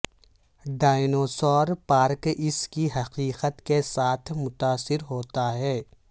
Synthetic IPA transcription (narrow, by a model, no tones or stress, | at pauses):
ɖaːɪnoːsɔːɾpaːɾkɪskiɦɐqiːqət̪kesaːt̪ʰmʊt̪aːsɪɾɦoːt̪aɦɛː